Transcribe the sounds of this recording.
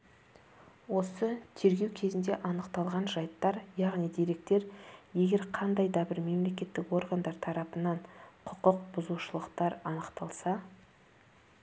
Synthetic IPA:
wo̞sət̪ʰe̞ɾɡʲe̞wkʲʰe̞zɪnd̪e̞ʔɑnəqt̪ɑlˠʁɑnʒɑjt̪ːɑɾjɑʁnijd̪e̞ɾe̞k̚t̪e̞ɾje̞ɡʲe̞ɾqʰɑnd̪ɑjd̪ɑbɪɾme̞mle̞kʲe̞t̪ːɪkwo̞ɾɡand̪ɑɾt̪ʰɑɾɑpənɑɴqʰʊqʊqbʊzuʃəlˠəqt̪ɑɾɑnəqt̪ɑlˠsɑ

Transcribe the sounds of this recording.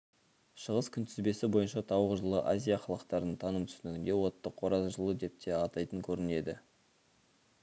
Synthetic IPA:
ʃəʁəskʲʰʏnt̪ʰɪzbe̞sɪbo̞jənʃɑt̪ʰɑwʁəʒəlˠəʔazʲijaχɑlˠɑqt̪ɑɾnəɴt̪ʰɑnəmt̪ʰʏ̥sɪnɪɡʲɪnd̪e̞wo̞t̪ːəqʰːo̞ɾɑzʒəlˠəd̪e̞p̚t̪ʰe̞ɑt̪ɑjt̪əŋkʲʰɵɾɪne̞d̪ɪ̰

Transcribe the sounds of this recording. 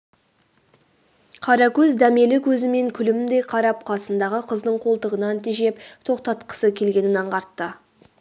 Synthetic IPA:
qʰɑɾɑkʲʰɵzd̪æme̞lɪkʲʰɵzɪme̞ŋkʲʰʏlɪmɪmd̪e̞jqʰɑɾɑp̚qʰɑsənd̪ɑʁəqʰəzd̪əɴqʰo̞lˠt̪əʁənɑnt̪ʰiʒe̞pt̪ʰo̞qt̪ɑt̪qə̥səkʲʰe̞lɡʲe̞nɪnɑɴqɑɾt̪ːə

